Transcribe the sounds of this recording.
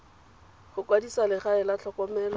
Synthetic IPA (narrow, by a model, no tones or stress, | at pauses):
χʊkʼwadisalɪχaɪlaɬʰɔkʼɔmɛlɔ